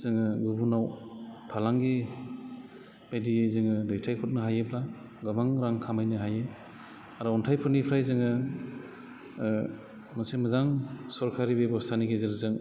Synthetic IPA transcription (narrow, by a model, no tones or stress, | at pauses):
z̥ɯŋɯɡubunawpʰalaŋɡe | bajdijezɯŋɯdajtʰajpʰɔt̚nɯɦajepʰla | ɡɔmaŋɾaŋkʰamajnɯɦaje | aɾaɔntʰajpʰɔtnipʰɾajzɯŋɯ | mɯsemɯzaŋsɔɾkʰaɾibebɔstʰaniɡezeɾzɯŋ